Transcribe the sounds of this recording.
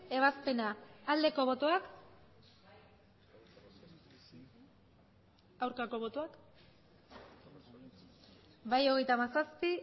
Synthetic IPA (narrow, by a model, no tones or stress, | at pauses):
e̞β̞aspe̞naːld̪e̞ko̞β̞o̞t̪o̞ak | awɾkako̞βo̞t̪oak | bajo̞ɣe̞jt̪amasaspi